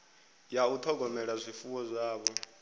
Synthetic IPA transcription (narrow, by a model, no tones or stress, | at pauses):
jaut̪ʰɔɡʱɔmɛɺazʷifuwɔzʷaːβɔ